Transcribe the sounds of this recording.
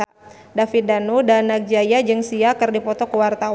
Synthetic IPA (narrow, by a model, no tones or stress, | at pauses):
dafit̪̚danudanak̚d͡ʒajad͡ʒɨŋsiakɨrdipɔt̪ɔkəwart̪aw